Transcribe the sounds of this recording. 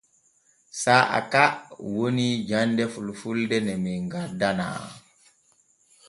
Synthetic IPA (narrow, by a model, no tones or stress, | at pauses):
saʔa̰kawonid͡ʒandɛfulfuldɛnɛmiŋɡadana̰